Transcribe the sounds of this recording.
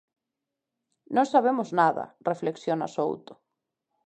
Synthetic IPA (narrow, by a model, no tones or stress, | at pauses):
nõŋsaβ̞emʊznaðɐ̰refleksjona̰so̰wt̪ʊ̥